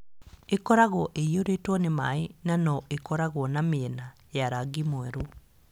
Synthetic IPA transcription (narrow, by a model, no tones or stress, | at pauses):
ekɔɾaɣɔʔeioɾetwɔnemaenanɔʔekɔɾaɣwɔnameɛna | jaɾaɡimwɛɾo